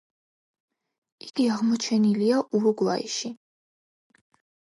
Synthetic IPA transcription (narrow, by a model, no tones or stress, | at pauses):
iɡ̥iaʁmɔt͡ʃʰɛniliaʔuɾuɡvaḭʃi